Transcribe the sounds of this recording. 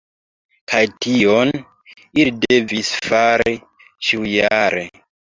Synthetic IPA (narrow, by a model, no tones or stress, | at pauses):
kʰajtion | ilide̞visfaɾi | ʃiwjaɾe